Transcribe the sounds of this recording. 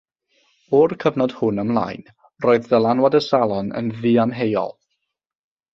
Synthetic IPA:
ɔrkʰəvnɔd̥hʊnəmlˠa̰jn | roːɨððəlˠanwadəsalˠɔnə̰nviːamɦejɔ̰lˠ

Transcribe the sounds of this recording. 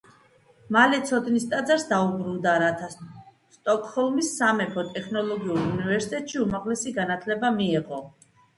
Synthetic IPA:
malɛt̪sʰɔd̪nist̪ʼad̪zaɾsd̪aubɾund̪aɾat̪ʰa | st̪ʼɔkʼhɔlˠmisːamɛpʰɔt̪ʼɛkʰnɔlˠɔɡiuɾunivɛɾsi̥t̪ʼɛt̪ʼʃiumaʁlɛsiɡanat̪ʰlɛbamiɛʁɔ

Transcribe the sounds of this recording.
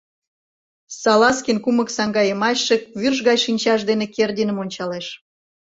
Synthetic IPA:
sɑlɑskʲinkuməksɑŋɡɑjəmɑɕːĕk̚βyrʒɣɑjʃinʲt͡ɕɑʃd̪enekerd̪ʲinə̆monʲt͡ɕɑleʃ

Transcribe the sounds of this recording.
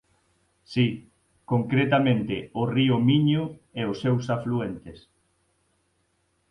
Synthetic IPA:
si | koŋkɾet̪amẽnt̪ɪʊriʊmiɲʊɛʊsewsafluent̪es

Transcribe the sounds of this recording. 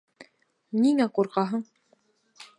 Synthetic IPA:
niŋæquɾqɑɦɤ̆ɴ

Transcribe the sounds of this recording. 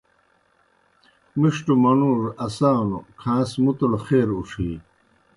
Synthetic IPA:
miʂʈumɐnuːɾɐsaːnṵkʰãːsmut̪ɐlχeːɾuʂiː

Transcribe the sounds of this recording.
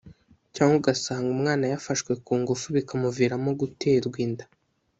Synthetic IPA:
caːŋɡuɡasaːŋɡumŋaːnajafaʃkwe̞kuːŋɡufuβikamuviɾamoɡuteːɾɡwiːndḁ

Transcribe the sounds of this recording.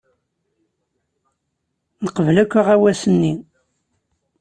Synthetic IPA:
nəqəvlækʷːəʁæwæsənːi

